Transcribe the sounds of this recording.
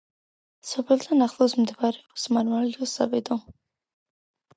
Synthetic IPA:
sɔpʰɛlˠd̪ʰanaχlˠɔsmd̪vaɾɛɔsmaɾmalɛd̪ɔsa̰bɛd̪ɔ

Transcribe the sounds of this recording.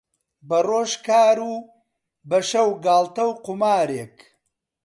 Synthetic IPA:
bɐroːʃkaːɾu | bɐʃɐwɡaːlˠt̪ɐwqʊmaːɾeːk

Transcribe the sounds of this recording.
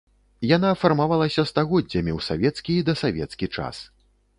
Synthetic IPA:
jan̪aːfarmavalˠɐsʲɐst̪aɣɔdd͡zʲːɐmʲiwsavʲɛt̪skʲiid̪ɐsavʲɛ̰t̪skʲit͡ʂa̰s

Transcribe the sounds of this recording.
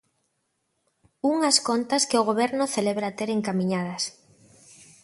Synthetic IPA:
uŋaskont̪ɐskɪoɣ̞oβ̞ɛɾnʊθeleβɾat̪eɾeŋkamĩɲað̞ɐs

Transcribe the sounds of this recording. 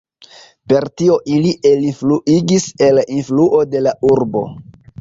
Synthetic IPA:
pe̞ɾtio̞ʔiliʔelifluʔiɡise̞lʔinfluʔo̞de̞lauɾbo̞̰

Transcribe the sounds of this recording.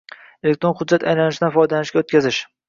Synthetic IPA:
elek̚ʲt̪ɾonχʊd̪̚d͡ʒːat̪ʰajlanɪʃɪd̪anfɒjd̪alanɪʃɡʲaot̪̚kʲazɪʃ

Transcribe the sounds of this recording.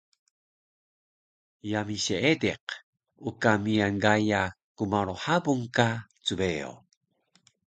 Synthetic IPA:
jamiɕeedeq | ukamianɡajakumaɾoħabuŋkat͡subeo̰

